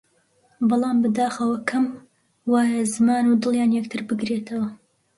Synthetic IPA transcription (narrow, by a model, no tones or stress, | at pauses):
bɨlˠɑːmbɨd̪aːxɐwɐkʰɐm | waːjazɨmaːnud̪ɨlˠjaːnjɐk̚t̪ʰɨɾbɨɡɾeːt̪ʰɐwɐ